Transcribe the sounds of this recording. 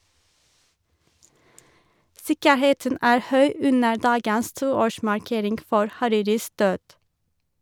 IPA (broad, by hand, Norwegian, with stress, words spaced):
ˈsɪkəˌheːtən ˈæːɹ ˈhœʏ ˈʉnə ˈdɑːɡəs ˈtuːˌoːʃmɑɹˌkeːɾɪŋɡ ˈfɔɹ hɑˈɾiːɾɪs ˈdøːd